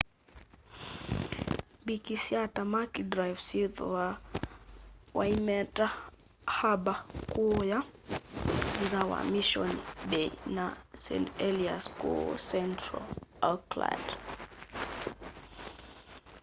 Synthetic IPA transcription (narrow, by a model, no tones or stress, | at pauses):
bikisiatamakidɾajvsiðɔ | waimɛta | habakuja | zizawa̰miʃɔnbɛnasɛ̰ntɛlia̰skṵsɛntɾa̰lakla̰d